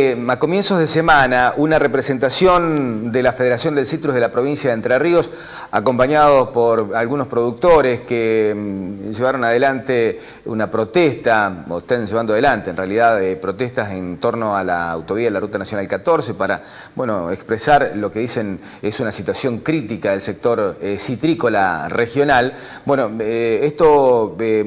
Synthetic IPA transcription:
ako̞mje̞nsozðesemanaʔunarepɾese̞nt̪asjo̞nd̪elafeðeɾasjo̞nd̪e̞lsit̪ɾuðelapɾoβinsjaðent̪ɾerio̞s | ako̞mpaɲaðospoɾalɣunospɾo̞ðuk̚t̪o̞ɾeske | ʒeβaɾo̞nað̞elant̪e | ṵnapɾo̞t̪est̪aoeht̪anʒeβand̪oað̞elant̪eenrealiðaðpɾo̞t̪est̪asent̪o̞ɾno̞ala̰ːwt̪oβiaðelarut̪anasjo̞nalkat̪o̞ɾse̞paɾa̰ | bwenoekspɾesaɾlo̞keðisen | esunasit̪wasjo̞ŋkɾit̪ikaðelsek̚t̪o̞ɾsit̪ɾiko̞la̰rʔexjo̞nal | bwenoest̪o

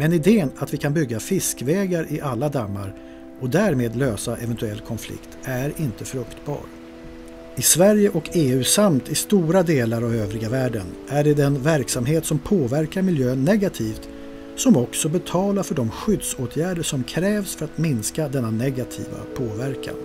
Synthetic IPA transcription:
mɛnɪd̪eːənat̪vɪkʰanbʏɡːafɪskvɛːɡaɾʔɪʔalːad̪amːa̰ɾ | ɔd̪æɾmeːd̪løːsaʔɛvɛnt̪ɵɛlːkʰɔnflɪ̰kt̪æɾɪnt̪əfɾɵkt̪bɑ̰ːɾ | ɪsvæɾjəʔɔkʰeːʉ̟ːsamt̪ɪst̪uːɾad̪eːlaɾavøːvɾɪɡavæːɖənʔæɖɛd̪ɛnvæɾksamɦeːt̪sɔmpʰoːvæɾkaɾmɪljøːnːɛɡat̪ʰiːft̪ | sɔmɔksɔbɛt̪ʰɑːlaɾfœɖɔmɧʏd̪soːt̪ʰjæːɖəʂɔmkʰɾɛːvsfœɾat̪mɪnskad̪ɛnːanɛɡat̪ʰḭːva̰pʰoːvæɾkʰa̰n

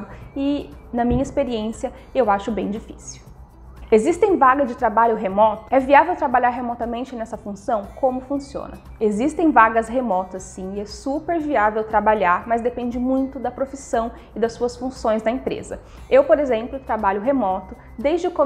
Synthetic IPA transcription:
d̪ʊɪnɐmĩɲɐispeɾiẽsiɐ | ewaʃʊbẽj̃d͡ʒifi̥siw | ezist̪ẽj̃vaɡɐzd͡ʒɪt̪ɾabaʎʊɦemɔt̪ʊ̥ɛviavewt̪ɾabaʎaɾɦemɔt̪ɐmẽnt͡ʃɪnɛsɐfũsɐ̃w̃kõmʊfũsiõ̰nɐ̰ | ezist̪ẽj̃vaɡɐsɦemɔt̪ɐsːĩɪɛsupeɾviavewt̪ɾabaʎaɾmɐzd̪epẽnd͡ʒɪmũj̃t̪ʊd̪ɐpɾofisɐ̃w̃ | ɪd̪ɐsuɐsfũsõj̃zd̪ɐẽmpɾḛzɐ̰ | ewpoɾezẽmplʊt̪ɾabaʎʊɦemɔt̪ʊ | d̪ejzd͡ʒɪʊkõ

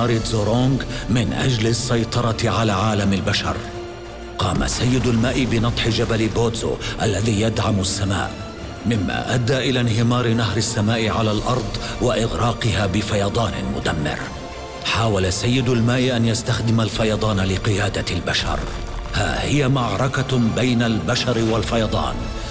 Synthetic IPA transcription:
ɑːɾzoːɾoŋɡmɪnʔa̰d͡ʒlɪsːɑjt̪ˤɑɾˤɑʕalaːʕaːlamalbaʃɑ̰ɾˤ | qɑːma̰sajːɪd̪ʊlmaːʔɪbɪnɑt̪ˤħɪd͡ʒabalɪboːt̪zo̰ːʔalːaðiːjad̪ʕamʊsːama̰ːʔ | mɪmːa̰ːʔad̪ːaːʔɪlaːnɦɪmɑːɾɪnahɾɪsːamaːʔɪʕalalʔɑɾˤd̪ˤwaʔɪɣɾɑːqɨhaːbɪfajɑd̪ˤɑːnɪ̰mʊ̰d̪amːɪ̰ɾ | ħaːwalasajːɪd̪ʊlmaːʔɪʔanjast̪axd̪ɪmalfajɑd̪ˤɑːnlɪqɨjaːd̪albaʃɑ̰ɾˤ | ha̰ːhɪjamaʕɾˤɑkabajnalbaʃɑɾwalfajɑd̪ˤɑ̰ːn

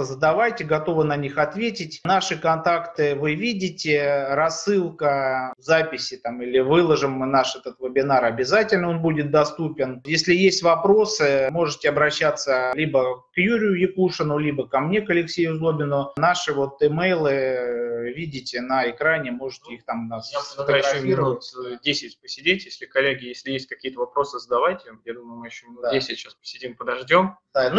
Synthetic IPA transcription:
zəd̪ɐvajtʲɪɡɐt̪o̞vɨnɐnʲixɐt̪vʲetʲɪtʲnaʂɨkɐnt̪akt̪ɨvɨvʲidʲɪtʲɪɾɐsːɨlˠkəzapʲɪsʲɪt̪amilʲɪvɨlˠəʐɨmnaʂɛt̪ət̪vɨbʲɪnaɾɐbʲɪzatʲɪlʲnəo̞nbudʲɪt̪̚d̪ɐst̪upʲɪnjesʲlʲɪjesʲtʲvɐpɾo̞sɨmo̞ʐɨtʲɪɐbɾɐɕːat̪sːəlʲibəkjuɾʲɪjʊjɪkuʂɨnʊlʲibəkɐmnʲe̞kɐlʲɪksʲejʊzlˠo̞bʲɪnʊnaʂɨvo̞t̪ɨmejlˠɨ | vʲidʲɪtʲɪnəɪkɾanʲɪmo̞ʐɨtʲɪixt̪amnfət̪əɡɐfiɾəvsdʲesʲɪtʲpəsʲɪdʲetʲɪlʲsʲɪxkɐlʲːeɡʲɪjesʲlʲɪjesʲt̚ʲkɐkʲijət̪əvɐpɾo̞sɨzəd̪ɐvajtʲɪjad̪uməjʊmɨjɪɕːodʲesʲɪtʲɕaspə̥sʲɪdʲimpəd̪ɐʐdʲo̞md̪anu

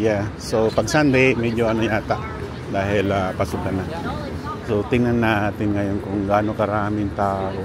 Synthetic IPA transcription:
jasopaɡsand̪ɪmɛd͡ʒoɐnojaːt̪aʔ | d̪aːɦɪlapasʊkana | sot̪ɪŋanːaʔat̪ɪnŋajonkʊŋɡaːnokaɾaːmɪnt̪aːo

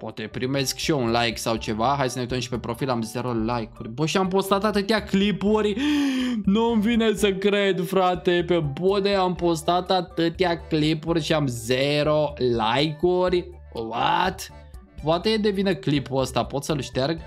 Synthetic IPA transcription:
poat̪epɾime̞skʃiunlajksawt͡ʃe̞vaxajsəneut̪əmʃi̥pe̞pɾo̞filamze̞ɾo̞lajkurʲbəʃiampo̞st̪at̪at̪ɨt̪eaklipurʲ | nuɨmvinesəkɾed̪fɾat̪epebod̪eampo̞st̪at̪at̪ɨt̪ʲaklipurʲʃiamzeɾo̞lajkurʲ | wat̪ | poat̪ed̪e̞vinəklipuəst̪apo̞t̪səlʃt̪erɡ

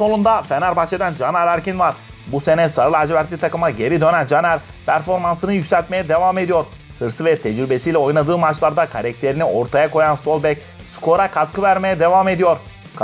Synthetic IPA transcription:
so̞lˠund̪afenaɾbat͡ʃʰe̞d̪ænd͡ʒanaɾæɾcinvaɾ | buse̞nɛsaɾɯlˠad͡ʒvæɾt̪ʲːit̪ʰakɯmaɟe̞ɾid̪ø̞nænd͡ʒanæɾ | pʰæɾfo̞ɾmansɯnɯjycʲsʲælʲt̪me̞jɛd̪e̞vaːme̞d̪ijo̞ɾ | hɯɾsɯvɛt̪ʰɛd͡ʒɾybe̞sijlʲɛo̞jnˠad̪ɯːmat͡ʃlˠaɾd̪akʰaɾɛc̚t̪ʰe̞ɾinio̞ɾt̪ʰajako̞janso̞lˠbɛc | skʰo̞ɾakʰat̪kʰɯvæɾme̞jɛd̪e̞vaːme̞d̪ijo̞ɾ | k

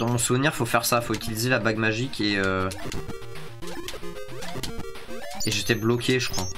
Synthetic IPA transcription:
d̪̥ɑ̃mɔ̃suvniʁfofɛʁsafoyt̪ʰilizelabaɡmaʒikʲʰeø | eʒet̪ɛblɔkʰʲeʒəkχwa

